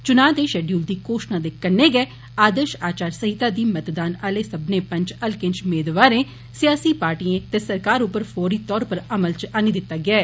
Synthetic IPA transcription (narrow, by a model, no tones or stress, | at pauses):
t͡ʃʊnaːd̪eːʃɛːɖjuːld̪iːkoːʃnãːd̪ekkːəneːɡɛː | aːd̪əɾʃaːt͡ʃaːɾsəɦɪt̪aːd̪iːmət̪d̪aːnəːleːsəbneːpə̃ɲt͡ʃəlkɪɲt͡ʃmeːd̪ʋaːɾẽː | sɪjaːsiːpaːɾʈiːẽːt̪eːsəɾkaːɾʊpːəɾpʰoːɾiːt̪ɔːɾpəɾəməlt͡ʃaːniːd̪ɪt̪ːaːɡɪaː